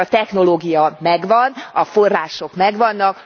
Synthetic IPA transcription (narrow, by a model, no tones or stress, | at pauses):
ɒt̪ɛxno̞loːɡijɒmɛɡʋɒnɒforːaːʃo̞kmɛɡʋɒnːɒk